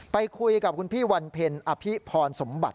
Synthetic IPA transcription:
pa˧jkʰu˧jka˨˩p̚kʰu˧npʰiː˥˩wa˧npʰe˧nʔa˧pʰi˦˥pʰɔː˧nso˩˦mba̰˨˩t̪̚

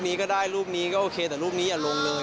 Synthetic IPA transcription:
p̚niː˦˥kɔː˥˩daː˥˩jɾuː˥˩p̚niː˦˥kɔː˥˩ʔoː˧kʰeː˧t̪ɛ˨˩ɾuː˥˩p̚niː˦˥jaː˨˩lo˧ŋlɤː˧

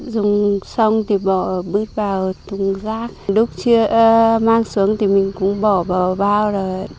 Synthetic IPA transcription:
zʊ˨˩ŋ͡msa˧wŋ͡mt̪ʰi˨˩ɓɔ˧˩ɓɨ˦˥t̚vaː˨˩wt̪ʊ˨˩ŋ͡mzaː˦˥k̚ɗʊ˦˥k͡p̚t͡ɕɨ˧əʔmaː˧ŋsu˨˦əŋt̪i˨˩mï˨˩ŋ̟kʊ̰˧˥ŋ͡mɓɔ˧˩ɓaː˨˩ɓaː˧wzaː˨˩

